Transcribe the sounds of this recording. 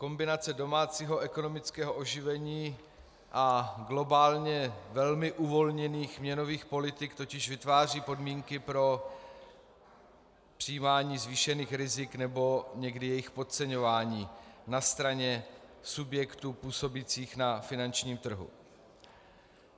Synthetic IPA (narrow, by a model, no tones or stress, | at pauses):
ko̞mbɪnat͡sɛdo̞maːt͡siːɦo̞ʔɛko̞no̞mɪt͡skɛːɦoʔo̞ʒɪvɛɲiː | ʔaɡlo̞baːlɲɛvɛlmɪʔuvo̞lɲɛniːxmɲɛno̞viːxpo̞lɪt̪ɪkt̪o̞cɪʒvɪt̪vaːr̝iːpo̞dmiːŋkɪpɾo̞ | pr̥iiːmaːɲiːzviːʃɛniːxɾɪzɪknɛbo̞ɲɛɡdɪjɛjɪxpo̞t̪̚t͡sɛɲo̞vaːɲiːnast̪ɾaɲɛsubjɛkt̪uːpuːso̞bit͡siːxnafɪnant͡ʃɲiːmt̪r̩ɦṵ